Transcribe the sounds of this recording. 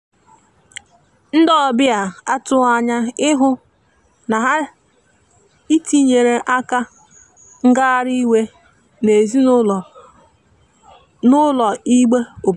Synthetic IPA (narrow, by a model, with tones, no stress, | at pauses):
n̩˦dɔ˦˨bɪ˦a˨a˦tʊ˦a˨ɲa˦ɪ˦ɦʊ˦ | na˨ɦa˦ | i˦ti˦ɲe˨ɾe˨ʔa˦ka˦ | ŋ̩˦ɡa˦ɾi˦we˦ | ne˨zi˦ | nʊ˦lɔ˨i˦ɡ͡be˦o˨b